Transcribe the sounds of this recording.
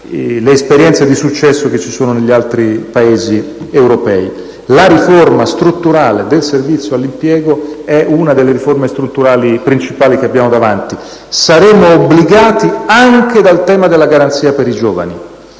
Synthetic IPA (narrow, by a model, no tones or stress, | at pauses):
leːspeɾjɛnt̪sed̪isut͡ʃːɛsːok̟et͡ʃːisoːnoneʎːialt̪ɾipaeːzi | ewɾopɛːi | laɾiformast̪ɾut̪ːuɾaːled̪elservit̪sːjoalːimpjɛːɡoɛʔunad̪elːeɾiformest̪ɾut̪ːuɾaːlipɾint͡ʃipaːlik̟eabːjaːmod̪avant̪i | saɾeːmoːbːliɡaːt̪iaŋked̪alt̪ɛːmad̪elːaɡaɾant̪siːapeɾid͡ʒɔːva̰ni